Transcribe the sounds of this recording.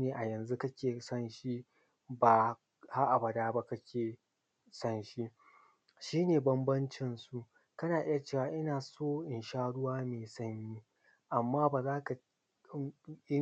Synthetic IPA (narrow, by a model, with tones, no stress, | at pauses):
neː˨ʔa˨jɐ˨nzu˦kɐ˦kʲeː˨sɐ˦nʃi˦ | baː˨ | ha˦ʔa˨bɐ˨daː˦ba˦kɐ˦kʲʰeː˨ | sɐ˦nʃi˦ | ʃiː˦neː˨bɐ˦mbɐ˦nt͡ʃɪ˨nsu˦ | kɐ˦naː˨ʔɪ˦ja˨t͡ʃeː˦˨waː˦ʔɪ˦naː˨soː˦ʔɪ˨nʃaː˦ɽʊ˦waː˦meː˨sɐ˦ɲjiː˦ | ʔa˨mːaː˦baː˨zaː˦ka˨˦ | ɪ˦